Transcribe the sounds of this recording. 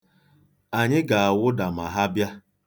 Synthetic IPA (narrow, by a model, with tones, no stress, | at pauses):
a˨ɲɪ˦ɡa˨a˨wʊ˦da˨ma˨ɦa˦bja˦